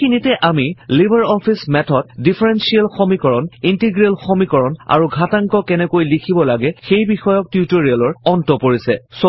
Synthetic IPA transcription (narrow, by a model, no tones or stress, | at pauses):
xinitɛʔamilibʱaɹɔpʰismɛtʰɔd̚dipʰaɹɛnsialxomikɔɹɔnintiɡɹelxomikɔɹɔna̰ɹuɡʱataŋkɔkɛnɛkojlikʰibɔlaɡɛxejbixɔjɔk̚tjutoɹialɔɹɔntɔpoɹisɛso